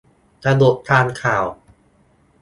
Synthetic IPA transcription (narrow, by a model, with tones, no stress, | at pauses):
t̪a˧do˨˩t̪̚ːʰaː˧nkʰaː˨˩w